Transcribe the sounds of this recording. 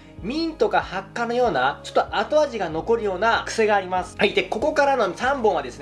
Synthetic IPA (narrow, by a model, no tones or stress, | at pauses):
mʲĩnt̪o̞kahakːano̞jo̞ːnat͡ɕo̞t̪ːoʔat̪o̞aʑiɡano̞ko̞ɾɯ̟jo̞ːnakɯ̟̥se̞ɡaːɾʲimasɨ̥hait̪ːeko̞ko̞kaɾano̞sãmbõ̞ɰ̃βad̪e̞sɨn